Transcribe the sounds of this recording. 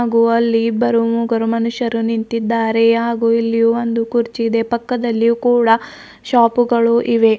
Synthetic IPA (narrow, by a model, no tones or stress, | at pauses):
ɡuɐlːibɐɾumuːɡɐɾumɐnuʃɐɾunint̪id̪ːaːɾe̞ɦaːɡuilːijuond̪ukuɾt͡ʃid̪e̞pɐkːɐd̪ɐlːijukuːɽɐ | ʃaːpuɡɐɭuʔiʋe̞